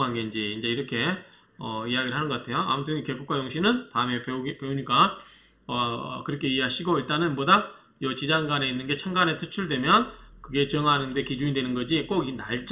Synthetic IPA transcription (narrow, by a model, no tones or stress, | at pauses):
ɦanɡe̞ind͡ʑiːnd͡ʑe̞iɾʌkʰe̞ | ʌijaɡiɾɯɭɦanɯnɡʌk͈atʰe̞joa̰mut͈ʰɯŋike̞ɡuk͈wajoŋɕʰinɯntaɯme̞pepe̞uɲik͈a | ʌ̰kɯɾʌkʰe̞ieɦaɕʰiɡoiɭt͈anɯnmʌda | jʌt͡ɕid͡ʑaŋɡane̞inːɯnɡe̞t͡ɕʰaŋɡane̞tʰɯt͡ɕʰuɭdwe̞mjʌnkɯɡe̞t͡ɕʌŋanɯnde̞kid͡ʑuɲidwe̞nɯnɡʌd͡ʑik͈oɡinaɭt͡ɕ͈